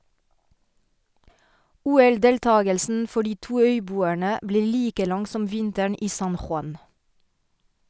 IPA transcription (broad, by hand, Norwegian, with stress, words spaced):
ˈuːɛlˌdeːlˌtɑːɡəlsn̩ ˈfɔ ˈɖiː ˈtuː ˈœʏˌbuːæɳə ˈbleː ˈliːkə ˈlɑŋ ˈsɔm ˈʋɪntæɳ ˈiː ˈsɑn xʊˈɑn